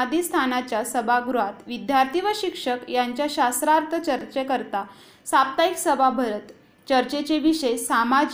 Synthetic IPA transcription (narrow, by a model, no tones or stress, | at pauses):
d̪ist̪ʰanat͡ɕjasəbʱaɡɾuɦat̪ʋid̪jaɾt̪ʰiʋəɕikʂəkjaɲt͡ɕjaɕasɾaɾt̪ʰət͡ɕəɾt͡ɕekəɾt̪a | sap̚t̪aiksəbʱabʱəɾət̪ | t͡ɕəɾt͡ɕet͡ɕeʋiʂəsama